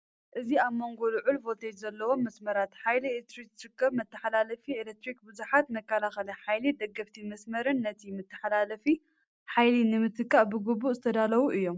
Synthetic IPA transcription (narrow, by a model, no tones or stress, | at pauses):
ʔɨziaβmo̞ŋɡo̞lɨʕulvo̞t̪ʰed͡ʒzɐlːɐwo̞mːɐsmɐɾat̪ħajlieet̪ɾiksɨɾɨkːɐβmɐt̪ːɨħalalɐfielek̚t̪ɾik̚bɨzuħat̪mɐkʰːɐlaxɐlɐħajlid̪ɐɡːɐft̪ʰimɐsmɐɾɨnːɐt̪ʰimɨt̪ːɨ̥ħalalɐfi | ħajlinɨmɨt̪ʰɨkːaʔbɨɡubːuʔzɨt̪ʰɐd̪alɐwuʔɨjːo̞m